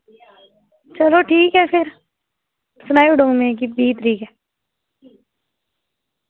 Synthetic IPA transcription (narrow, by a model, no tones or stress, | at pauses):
t͡ʃɐloʈʰiːkɦɛpʰɪɾ | sʊnaːiʊɖʱõːŋmẽk̬ibʱiːt̪ɾiːkɦɛː